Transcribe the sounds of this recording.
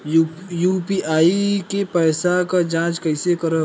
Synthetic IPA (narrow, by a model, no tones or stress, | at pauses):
juːpiʔaːikepɛːsakad͡ʒãːt͡ʃkəɪsekəɾə